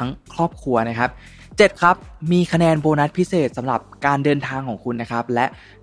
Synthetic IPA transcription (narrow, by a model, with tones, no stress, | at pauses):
a˦˥ŋkʰɾɔː˥˩p̚kʰɾu˧ɐna˦˥kʰa˦˥p̚ | t͡ɕe˨˩t̪̚kʰa˦˥p̚miː˧kʰa˧nɛː˧nboː˧na˦˥t̪̚pʰi˦˥seː˨˩t̪̚sa˩˦mɾa˨˩p̚kaː˧ndɤː˧nt̪ʰaː˧ŋkʰɔː˩˦ŋkʰu˧nːa˦˥kʰa˦˥p̚lɛ˦˥ʔ